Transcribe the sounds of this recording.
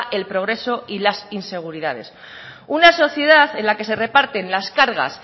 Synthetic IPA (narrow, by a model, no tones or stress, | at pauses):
ʔe̞lpɾo̞ɣ̞ɾe̞so̞ilasinse̞ɣ̞uɾiðað̞e̞̰s | unaso̞θje̞ð̞aθe̞nlake̞se̞re̞paɾt̪e̞nlaskaɾɣ̞a̰s